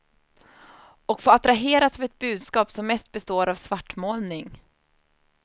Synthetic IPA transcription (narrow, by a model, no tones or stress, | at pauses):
ɔkfoːat̪ɾaɦeːɾasavɛt̪̚bʉ̟ːd̪skɑːpsɔmːɛst̪̚bɛst̪oːɾavsvaʈːmoːlnɪŋ